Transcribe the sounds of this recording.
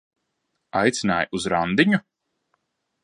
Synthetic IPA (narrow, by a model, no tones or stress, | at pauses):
ajt̪sina̰ːjuzɾand̪iɲu